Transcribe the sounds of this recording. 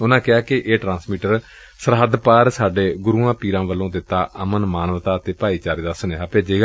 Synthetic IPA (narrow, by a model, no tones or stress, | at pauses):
ʊnãːkɪaːkɪʔeːʈɾãːnsmiːʈəɾ | səɾɦəd̪paːɾsaːɖeːɡʊɾuːãːpiːɾãːʋəlːõːd̪ɪt̪ːaːəmənmaːnəʋt̪aːt̪eːpaːiːt͡ʃaːɾeːd̪əsəneːɦaːpeːd͡ʒeːɡ